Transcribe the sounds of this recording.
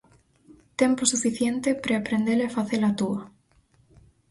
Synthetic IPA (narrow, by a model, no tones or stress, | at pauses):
t̪emposufiθjent̪epɾeapɾend̪eɾefaθelat̪ua